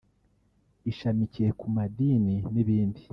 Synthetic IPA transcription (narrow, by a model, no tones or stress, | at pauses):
iʃamiciɾekumadiːniniβiːndi